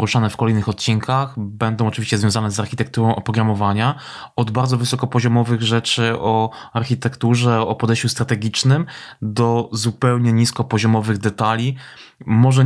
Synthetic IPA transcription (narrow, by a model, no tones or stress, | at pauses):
ɾuʂanɛfkɔlɛjnɘxɔt̪̚t͡ɕiŋkʰaxbɛnd̪ɔ̃w̃ɔt͡ʂɘvʲiɕt͡ɕɛzvʲjɔ̃zanɛzaɾxʲit̪ɛk̚t̪uɾɔ̃w̃ʔɔpɾɔɡɾamɔvaɲa | ɔd̪baɾd̪zɔvɘsɔkɔpɔʑɔmɔvɘɣʐɛt͡ʂɘɔ | aɾxʲit̪ɛkt̪uʐɛɔpɔd̪ɛjɕt͡ɕust̪ɾat̪ɛɡʲit͡ʂnɘmd̪ɔzupɛwɲɛɲiskɔpɔʑɔmɔvɘɣd̪ɛt̪alʲimɔʐɛ